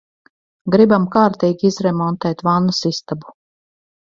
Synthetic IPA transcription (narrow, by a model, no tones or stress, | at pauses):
ɡɾibamkaːɾt̪iːɡʲiizɾɛmɔnt̪ɛːt̪vanːasist̪abu̥